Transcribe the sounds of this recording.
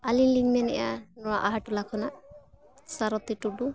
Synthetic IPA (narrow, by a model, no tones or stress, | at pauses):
aliliŋmɛnɛ̰janɔwaʔaɦaʈulakʰɔna | saɾɔt̪iʈuɖu